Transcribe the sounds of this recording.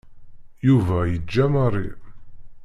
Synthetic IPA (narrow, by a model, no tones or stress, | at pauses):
juvæjəd͡ʒːæmərˤḭ